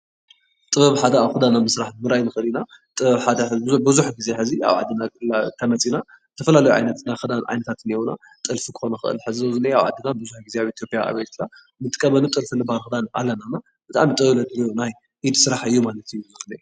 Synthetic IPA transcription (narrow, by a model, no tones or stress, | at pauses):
t̪ʼɨβɐβħad̪ɐaβxɨd̪anamɨsɾaħɨmɨɾajnɨxɨlina | t̪ʼɨβɐβħad̪ɐħɨbɨzuħɡizeħɨzia̰βʕa̰d̪ːɨnakʼɨlat̪ʰɐmɐt͡sʼina | ɨt̪ʰɐfɐlalɐjuʕa̰jnɐt̪naxɨd̪anʕa̰jnɐt̪ʰat̪ɨnewuna̰ | t̪ʼɨlfikʰɨ̥xo̞nɐxɨʔɨ̰lħɨzzozɨnɐjaβʕa̰d̪ːɨnabɨzuħɡizeaβit̪ʰjo̞pʼjaa̰βɐjt̪la | mɨnt̪ʼɨkʼɐβɐnut̪ʼɨlfɨlɨbhalxɨd̪anʔa̰lːɐnana | b̥ɨt̪ʼa̰mit̪ʼɨbɨβlɐt̪ʼlonaj | ʔid̪sɨɾaħɨjːumalɐt̪ʰɨjuzozɨnɐju